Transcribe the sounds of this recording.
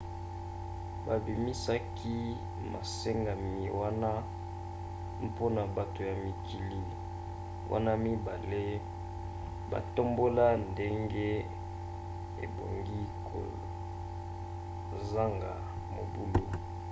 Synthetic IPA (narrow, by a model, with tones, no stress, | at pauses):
ba˨bi˨mi˦sa˦ki˦ | ma̰˨se˦ŋɡa˨mi˨wa˦na˦ | mpo˦na˨ba˨to˨ja˨mi˨ki˨li˨ | wa̰˦na˦mi˦ba˨le˦ | ba̰˨to˦mbo˦la˦nde˦ŋɡe˦ | ḛ˨bo̰˨ŋɡi˦kʰo̰˨l | za˦ŋɡa̰˨ | mo̰˨bu˦lu˦